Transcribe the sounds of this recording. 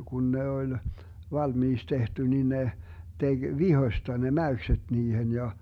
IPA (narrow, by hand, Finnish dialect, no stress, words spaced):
kun ne olʲ ʋɑlmiːks tehty ni ne teɡ̊ ʋihosʲtɑ ne mæyksed̥ niːhen jɑ